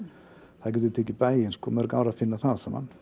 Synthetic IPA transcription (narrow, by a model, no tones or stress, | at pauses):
θaðc̬ɛt̪ʏɾt̪ʰeːcɪpaːjɪnskɔmɛɾkaːwɾafɪnːaθaðsɛma̰n